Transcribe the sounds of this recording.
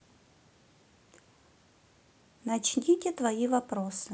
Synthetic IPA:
nɐt͡ɕnʲitʲɪt̪vɐivɐpɾosɨ

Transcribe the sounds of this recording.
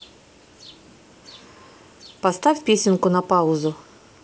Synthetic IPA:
pɐst̪afʲpʲesʲɪnkʊnapaʊzʊ

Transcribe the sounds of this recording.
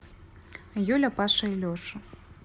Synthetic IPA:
julʲɐpaʂɐilʲɔʂɐ

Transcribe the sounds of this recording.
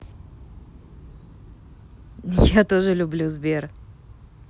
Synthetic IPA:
jat̪o̞ʐɨlʲʊblʲuzbʲe̞r

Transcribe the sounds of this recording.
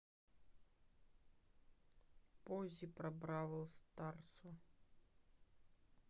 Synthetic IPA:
pozʲipɾɐbɾavəlˠst̪art̪su

